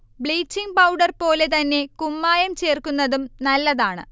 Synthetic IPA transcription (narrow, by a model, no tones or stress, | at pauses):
bɭiːt͡ɕːiŋpɐwɖɐrpo̞ːle̞t̪ɐnːe̞kumːaːjɐmt͡ɕe̞ːrkunːɐðumnɐlːɐðaːɳɨ̰